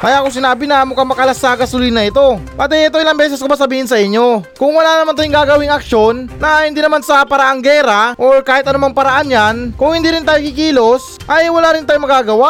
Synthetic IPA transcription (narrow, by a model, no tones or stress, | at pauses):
mɐjakos̬ɪnaːbɪnɐmʊkɐmɐkɐlɐsaːɡɐsʊlɪjnɐɪt̪o̞pɐt̪̬ɛʔɛt̪oʔɪlaɐŋbɛːs̬ɛskobasɐbiːhɪnsɐʔɪɲːo̞kʊŋwɐlanɐmant̪aːjʊŋɡaːɡɐwɪŋɐkʃo̞nːɐhɪnd̪iːnɐmansɐpɐɾɐʔaŋɡɛːɾaʔoɹkaːhɪt̪ʔɐnʊmaŋpɐɾɐʔanjankʊŋhɪnd̪iːɾɪnt̪aːjokikiːlo̞s | ʔɐjwɐlaːɾɪnt̪aːjomɐɡaːɡɐwa